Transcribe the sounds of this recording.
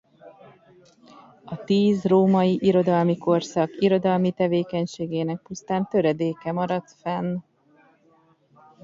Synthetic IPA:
ɒt̪iːzroːmɒjiʔiɾo̞d̪ɒlmiko̞rsɒkiɾo̞d̪ɒlmit̪ɛveːkɛɲʃeːɡeːnɛk̚pust̪aːnt̪ø̞ɾɛd̪eːkɛmɒɾɒt̪fɛn

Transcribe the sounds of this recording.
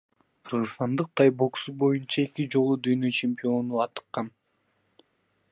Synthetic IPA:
qʰɯɾʁɯst̪ɑnd̪ɯq̚t̪ʰɑjbo̞ksubo̞junt͡ʃɑe̞kid͡ʒo̞lˠud̪yjnøt͡ʃʰempʲio̞nuɑt̪ɯ̥qːɑn

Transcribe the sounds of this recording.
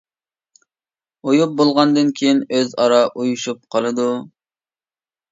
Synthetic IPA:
ojup̚bolˠʁɑnd̪ɨnkʲʰejinøzɑɾɑʔujuʃup̚qʰɑlˠɨd̪u

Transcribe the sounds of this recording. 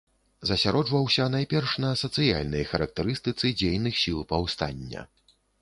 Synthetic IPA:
zɐsʲaɾɔd͡ʐvɐwsʲɐnajpʲɛrʂnɐsɐt̪sɨja̰lʲnɨjxɐɾɐk̚t̪ɛɾɨst̪ɨt̪sɨd͡zʲejnɨxsʲilˠpawst̪a̰nʲːɐ̰

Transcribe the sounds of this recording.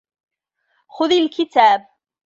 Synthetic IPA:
xʊðilkɪt̪aːb̚

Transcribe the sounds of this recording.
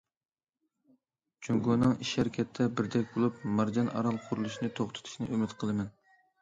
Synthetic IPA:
d͡ʒʰyŋɡonɨŋiʃhæɾkʲʰɛt̪ʰːɛbɪɾd̪ɛkʲbolˠupmɑɾd͡ʒɑnʔɑ̰ɾɑlˠqʰʊɾulˠuʃinɨt̪ʰoχt̪ʰɨ̥t̪ʰu̥ʃnɨ̰ʔømɪt̪qʰəlˠɨmɛn

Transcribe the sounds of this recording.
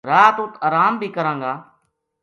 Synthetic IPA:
ɾaːt̪ʊt̪aːɾaːmbʱiːkəɾãːŋɡaː

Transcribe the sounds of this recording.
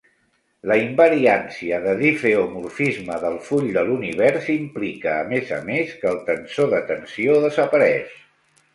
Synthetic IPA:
ləimbəɾiansiəðəðifeomuɾfizməðəlˠfuʎd̪əluniβ̞ɛɾsimplikəːmezə̰meskəːlˠt̪ənsoðət̪ənsioðəzəpəɾɛʃ

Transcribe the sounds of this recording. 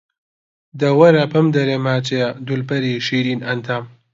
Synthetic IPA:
d̪ɐwɐɾɐpʰɐmd̪ɐɾemaːt͡ʃed̪ulpɐɾiʃiːɾiːnɐnt̪ʰaːm

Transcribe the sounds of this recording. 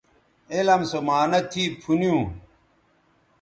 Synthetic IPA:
elɐmsomaːnɐt̪ʰiːpʰunijũː

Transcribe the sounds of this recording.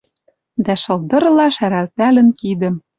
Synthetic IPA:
d̪æʃɤ̆lˠd̪ɤ̆ɾlɑʃæɾælt̪ælɘ̆nkid̪ə̆m

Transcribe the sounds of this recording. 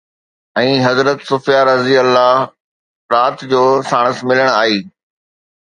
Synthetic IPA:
ɛ̃ːɦɐzɾət̪sʊfijaːɾɐziəlːaː | ɾaːt̪d͡ʑoːsaːɽ̃əsmɪləɽ̃aːɦiː

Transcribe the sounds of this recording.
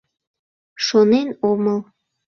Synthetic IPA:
ʃonenoməl

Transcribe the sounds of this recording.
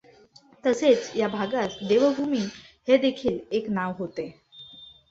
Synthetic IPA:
t̪əset͡sjabʱaɡat̪d̪eʋəbʱumiːhed̪ekʰiːleknaʋɦot̪e

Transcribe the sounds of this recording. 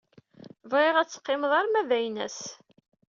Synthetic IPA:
vʁeʁæt͡sːə̥qːɪmðˤɑɾˤmævæjnæ̰s

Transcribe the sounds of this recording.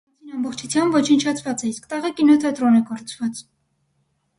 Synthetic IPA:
ɑt͡sʰinɑmbɔχt͡ʃʰut͡sʰjɑmbvɔt͡ʃʰənt͡ʃʰɑt͡sʰvɑt͡sɛiskt̪ɑʁɛkinɔt̪ʰɑt̪ɾɔnɛkɔɾt͡sʰvɑt͡s

